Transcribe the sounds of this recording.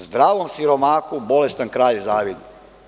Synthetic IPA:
zd̪ɾaːʋomsiɾo̞maːkubo̞le̞st̪ankɾaːʎzaːʋid̪i

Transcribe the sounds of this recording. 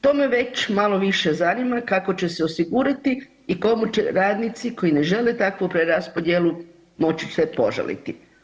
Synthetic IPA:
t̪o̞ːme̞ʋe̞t͡ʃmalˠo̞ʋiʃezanimakako̞t͡ɕe̞se̞o̞siɡuːɾat̪iː | ko̞mut͡ʃḛɾaːd̪nit̪siko̞jine̞ʒe̞let̪akʋupɾeɾaspo̞d̪jelˠu | mo̞t͡ʃi̥sʋe̞po̞̰ʒa̰lḭt̪i

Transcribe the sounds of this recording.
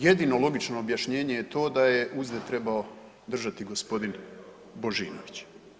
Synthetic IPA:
je̞d̪ino̞lo̞ɡit͡ʃno̞ːbjaʃɲe̞ːɲe̞jet̪o̞ːd̪aje̞ʔuzd̪et̪ɾe̞bao̞ | d̪r̩ʒat̪iɡo̞spo̞d̪in | bo̞ʒiːnoʋit͡ɕ

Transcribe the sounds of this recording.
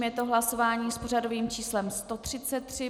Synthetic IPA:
mjɛt̪oɦlaso̞vaːɲiːspo̞r̝ado̞viːmt͡ʃiːslɛmst̪o̞t̪r̝̥ɪt͡sɛt̪ːr̥ɪ

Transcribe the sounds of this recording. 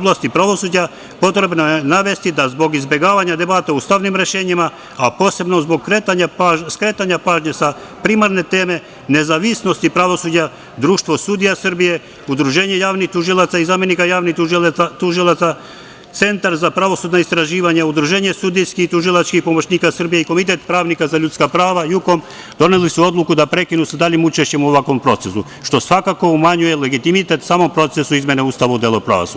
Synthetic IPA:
blˠast̪ipɾaʋo̞suːd͡ʑa | po̞t̪ɾe̞bnojenaʋe̞st̪id̪azbo̞ɡizbe̞ɡaːʋaɲad̪e̞baːt̪aust̪aʋnimɾe̞ʃe̞ːɲima | apo̞ːse̞bno̞zbo̞ɡ̚kɾet̪aɲaskɾe̞ːt̪aɲapaːʒɲesa | pɾimaɾne̞t̪e̞ːme̞ | ne̞zaːʋisno̞st̪ipɾaʋo̞suːd͡ʑa | d̪ɾuːʃt̪ʋo̞sud̪ijasr̩bije̞ | ud̪ɾuʒe̞ːɲejaːʋnixt̪uʒilˠat̪saizame̞nikajaːʋnit̪uʒilˠat̪sa | t̪se̞nt̪aɾzapɾaʋo̞suːd̪naist̪ɾaʒiːʋaɲaud̪ɾuʒe̞ːɲesud̪ijskit̪uʒilˠat͡ʃkixpo̞mo̞t͡ɕniːkasrbijeiko̞mit̪e̞t̪pɾaːʋnikazaʎut̪skapɾaːʋajuko̞m | d̪o̞nelisuo̞d̪lˠukud̪apɾe̞kinusad̪aʎimut͡ʃeʃt͡ɕe̞muoʋakʋo̞mpɾo̞t̪sesu | ʃt̪o̞sʋakako̞umaɲuje̞le̞ɡit̪imit̪e̞t̪saːmo̞mpɾo̞t̪sesuizmʲje̞neuːst̪aʋaud̪jeːlˠopɾa̰ʋo̰su

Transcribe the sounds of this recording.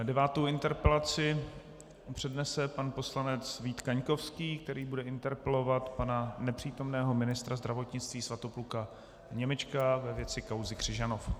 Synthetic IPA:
dɛvaːt̪owɪnt̪ɛɾpɛlat͡sɪ | pr̥ɛdnɛsɛpanpo̞slanɛt͡sviːt̪kaɲko̞fskiːk̚t̪ɛɾiːbudɛɪnt̪ɛɾpɛlo̞vat̪pananɛpr̝̥iːt̪o̞mnɛːɦo̞mɪnɪst̪ɾazd̪ɾavo̞t̪ɲɪt͡st̪viːsvat̪opluka | ɲɛmɛt͡ʃkavɛvjɛt͡sɪkawzɪkr̝̥ɪʒanof

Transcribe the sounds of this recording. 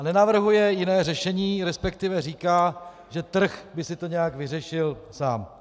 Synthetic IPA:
nɛnavr̩ɦujɛjɪnɛːrɛʃɛɲiːɾɛspɛkt̪ɪvɛriːkaː | ʒɛt̪r̩xbɪsɪt̪o̞ɲɛjaɡvɪrɛʃɪlsaːm

